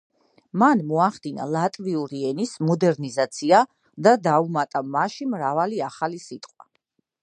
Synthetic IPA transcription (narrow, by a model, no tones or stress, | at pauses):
manmɔaχd̪ina̰lˠat̪ʼviuɾiɛnismɔd̪ɛɾnizat̪sʰia | d̪ad̪aumat̪ʼamaʃimɾavaliaχalisit̪ʼqʼwa̰